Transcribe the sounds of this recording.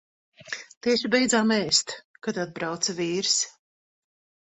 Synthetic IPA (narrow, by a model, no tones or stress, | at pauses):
t̪iɛʃibɛjd̪zaːmɛːst̪kat̪ad̪̚bɾawt̪sɐviːɾs